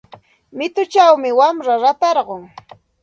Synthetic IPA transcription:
mɪt̪ʊt͡ʃawmɪwamɾaɾat̪ɑɾɢoŋ

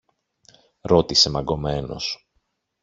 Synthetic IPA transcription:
ɾo̞t̪ise̞mɐɡo̞me̞no̞̰s

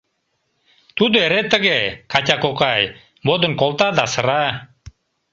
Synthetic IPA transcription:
t̪ud̪oeɾet̪əɣekɑtʲakokɑj | bod̪ə̆nkolˠt̪ad̪ɑsə̆ɾɑ

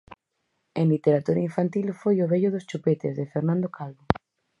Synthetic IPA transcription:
ẽnlit̪eɾat̪uɾaiɱfant̪ilfojʊβeʎʊðost͡ʃupet̪ezðefeɾnãnd̪okalβo

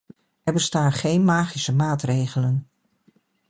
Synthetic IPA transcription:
ɛɹbəstaːnχejnmaːχisəmaːtrejχələn

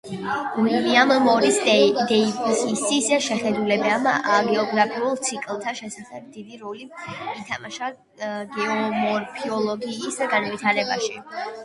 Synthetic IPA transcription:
ɡuliammɔɾisd̪ɛipʰsisisd̪aʃɛχɛd̪ulɛbɛmɡɛɔɡɾapʰiulˠt̪sʰikʼlˠt̪ʰaʃɛsaχɛb̚d̪id̪iɾɔliit̪ʰamaʃa | ɡɛɔmɔɾpʰiɔlˠɔɡiːsɡanvit̪ʰaɾɛba̰ʃi

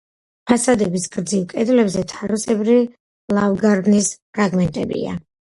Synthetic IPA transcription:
pʰasad̪ɛbisɡɾd̪zilkʼɛd̪lɛbzɛt̪ʰaɾusɛbɾi | lˠavɡaɾbnispʰɾaɡmɛnt̪ʼɛ̰bḭa̰

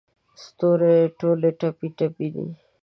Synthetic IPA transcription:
st̪oːɾeʈoːleʈɐpiʈəpid̪ḭ

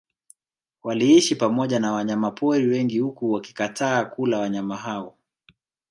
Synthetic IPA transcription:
waliiʃipamɔʄanawaɲamapʰɔɾiwɛŋɡihukuwaki̥kataːkulawaɲamaɦawɔ

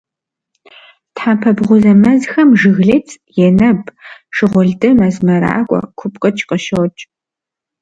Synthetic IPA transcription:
tħaːpʰɐbʁʷʊzɐmɐzxɐmʒɨɣɮet͡sʼ | jɛnɐbʂɨʁʷʊɮdɨmɐzmɐɾa̰ːkʷʼɔ̰kʷʰʊpʼqʼɐt͡ʃʰʼqʼɐʃɐwt͡ʃʼ

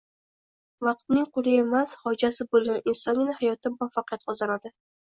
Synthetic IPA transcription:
vɑq̚t̪̚nɪŋqʰʊlˠɪe̞mashɒd͡ʒasɪbolˠɪʔɪnsɒŋɡʲɪnahajɒt̪ɪmʊafːaqɪjat̪qʰɒzanad̪ɪ

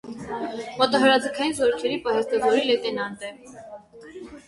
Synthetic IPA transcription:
mɔt̪ɑɦəɾɑd͡zəkʰɑjinzɔɾukʰɛɾipɑɦɛst̪ɔvɔɾilɛt̪ɛnɑnt̪ɛ

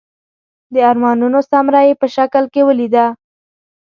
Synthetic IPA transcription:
d̪əaɾmɑnunosamɾajepəʃakəlkewəlid̪a

